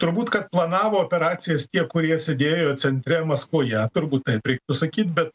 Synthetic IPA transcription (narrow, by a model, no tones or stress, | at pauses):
t̪ʊɾbuːt̪kɐt̪plˠɐnɑːʋoːoːpʲɛɾɑːtsʲɪjɛst̪ʲiɛkʊɾʲiɛsʲed̪ʲeːjoːsʲɛnʲt̪ʲɾʲɛmɐskʋoːjɛt̪ʊɾbuːt̪t̪ːɐɪpɾʲɛɪkt̪ʊsɐkʲiːt̪ʲbʲɛt̪